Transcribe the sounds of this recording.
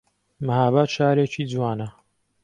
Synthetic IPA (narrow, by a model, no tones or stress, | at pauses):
məhaːbaːʃaːɾeːt͡ʃiːd͡zwaːnɐ